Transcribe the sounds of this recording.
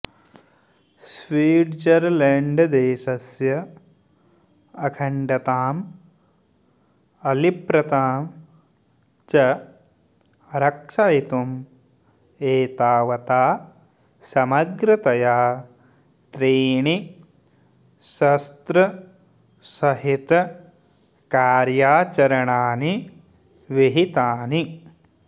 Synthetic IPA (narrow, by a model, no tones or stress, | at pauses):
swiːʈd͡ʒɐɾleɳɖd̪eːʃɐsjɐ | ɐkʰɐɳɖɐt̪aːm | ɐlipɾɐt̪aːm | t͡ʃɐ | ɐɾɐkʂajit̪um | eːt̪aːʋɐt̪aː | sɐmɐɡɾɐt̪ɐjaː | t̪ɾiːɳi | sɐst̪ɾɐ | sɐɦit̪ | kaːɾjaːt͡ʃɐɾɐɳaːni | ʋiɦit̪aːni